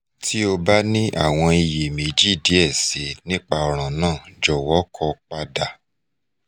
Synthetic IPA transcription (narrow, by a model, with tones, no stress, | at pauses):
tʰi˦o˧ba˦nĩ˦ʔa̰˦˨w̃ɔ̃˧i˧je˨mẽ˨d͡ʒi˦˨di˨˦ɛ˦˨se˨˦nĩ˦k͡pa˧ɔ˨ɾ̃ã˨nãː˦˨d͡ʒɔ˨wɔ˨˦kʰɔ˧k͡pa˧da˨